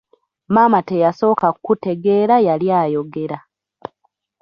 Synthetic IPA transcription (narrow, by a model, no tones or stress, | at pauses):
maːmatejaso̞ːkakkute̞ɡe̞ːɾajaljaːjo̞ɡe̞ɾa